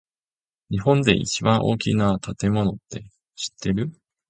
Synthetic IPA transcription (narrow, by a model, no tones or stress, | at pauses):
ɲiɦõ̞nd̪e̞̰ʔḭt͡ɕibãɰ̃ʔo̞̰ːkʲḭnat̪ʰat̪e̞mo̞no̞t̪ːe̞ | ɕi̥t̪ʰːe̞ɾɯ̟